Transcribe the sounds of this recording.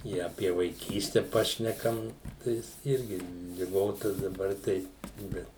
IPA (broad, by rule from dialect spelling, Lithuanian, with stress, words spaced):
ˈɪ ɐpʲiɛ ʋɐɪˈkʲiːsʲtʲɛ ˈpɑːʃʲnʲɛkɐm ˈtɐɪs ˈɪrʲɡʲɪ lʲɪˈɡoːtɐ dɐˈbɐr tɐɪ ˈbʲɛt